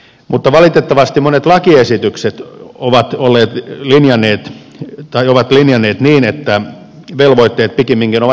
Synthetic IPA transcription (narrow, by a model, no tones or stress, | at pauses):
mut̪ːɑʋɑlit̪et̪ːɑʋɑst̪imonet̪lɑkiesit̪ykset̪oʋɑt̪olːeːt̪linjɑnːˑeːt̪ | t̪ɑioʋɑt̪linjɑnːeːt̪niːnet̪ːæ | ʋelʋoit̪ːeːt̪̚pikemːiŋkinoʋɑ